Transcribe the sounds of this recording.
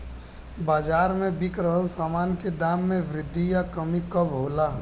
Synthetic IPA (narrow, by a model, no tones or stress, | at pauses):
baːd͡ʒaːɾmẽbɪkɾəɦəlsaːmaːnked̪aːmːẽʋɾɪd̪ʱːijakəmikəbɦoːlaː